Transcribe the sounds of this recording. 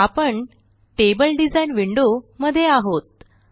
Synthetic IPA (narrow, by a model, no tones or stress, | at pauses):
apəɳ | ʈebəlɖid͡zajnʋiɳɖoməd̪ʱːjeaɦot̪̚